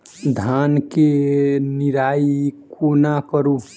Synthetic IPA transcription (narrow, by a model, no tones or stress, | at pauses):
d̪ʱankeniɾaikʰonakəɾu